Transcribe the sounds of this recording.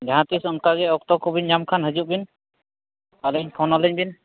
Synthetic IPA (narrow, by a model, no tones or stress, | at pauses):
ɡaɦãt̪isɔnkaɡɛɔk̚t̪ɔkɔbiɲɲamkʰanɦəd͡ʒuʔ̚bin | aləɲpʰɔnɔləɲbin